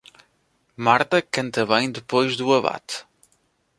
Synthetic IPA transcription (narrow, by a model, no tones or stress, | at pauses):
maɾt̪ɐkɐ̃nt̪ɐβɐ̃j̃d̪ɨpojʒðuɐβa̰t̪